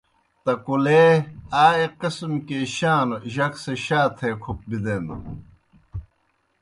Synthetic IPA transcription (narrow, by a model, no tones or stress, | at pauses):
t̪ɐkuleaːeqismkeɕaːnʑɐkseɕaːt̪ʰeːkʰup̚bid̪enṵ